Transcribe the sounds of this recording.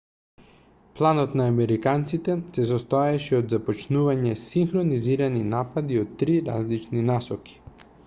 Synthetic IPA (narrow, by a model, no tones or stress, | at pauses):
plˠanɔt̪naːmɛɾikant̪sit̪ɛsɛsɔst̪ɔɛʃɛɔd̪zapɔt͡ʃnuvaɲɛsiŋxɾoniziɾaninapad̪iɔt̪ːɾiɾa̰zlit͡ʃninasɔki̥